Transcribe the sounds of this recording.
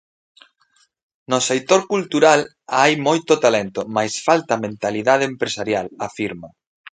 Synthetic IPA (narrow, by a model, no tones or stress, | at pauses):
nosekt̪oɾkult̪uɾal | ajmojt̪ot̪alɛnt̪omajsfalt̪amẽnt̪aliðað̞eempɾesaɾjalafiɾmo